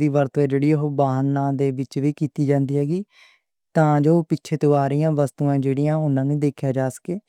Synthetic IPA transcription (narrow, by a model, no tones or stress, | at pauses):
d̪iːʋəɾt̪ɛ̃ːd͡ʒeːɽiːɦoːbaːɦnãːd̪eːʋɪt͡ʃʋiːkiːt̪iːd͡ʒãːnd̪iːɦɛːɡiː | t̪ãːd͡ʒoːpɪtːʃʰeːt̪oːaːɾijãːʋəst̪uːãːd͡ʒeːɽiːãːʊnːãːnẽːd̪eːkʰjaːd͡ʒaːsə̥keː